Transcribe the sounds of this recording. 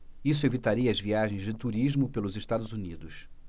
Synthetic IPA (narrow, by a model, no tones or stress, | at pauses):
isʊevit̪aɾiɐɐzviaʒẽj̃zd͡ʒɪt̪uɾiʒmʊpelʊzɪʃt̪ad̪ʊzunid̪ʊs